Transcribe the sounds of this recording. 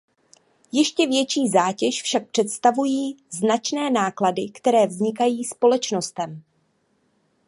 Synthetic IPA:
jɛʃcɛvjɛt͡ʃiːzaːcɛʃfʃak̚pr̝̥ɛt̪st̪avujiːznat͡ʃnɛːnaːkladɪkt̪ɛɾɛːvzɲɪkajiːspo̞lɛt͡ʃno̞st̪ɛm

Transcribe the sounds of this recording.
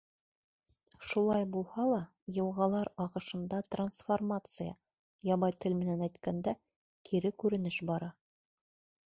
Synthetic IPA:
ʃulˠɑjbulˠhɑlˠɑ | jɤ̆lˠʁɑlˠɑɾɑʁɤ̆ʃɤ̆nd̪ɑt̪ransformat̪sɨjə̰ | jɑβɑjt̪ʰɘlmɘ̆nænæjt̪kænd̪æ | kʰiɾɘkʉɾɘ̆nɘʃbɑɾɑ

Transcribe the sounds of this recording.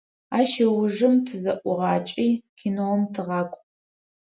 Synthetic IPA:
aːʃɐwʊʐɨmtʰɨzɐʔʷʊʁɑːt͡ʃʼiːkʰinowɔmtʰɨʁɑːkʷʼ

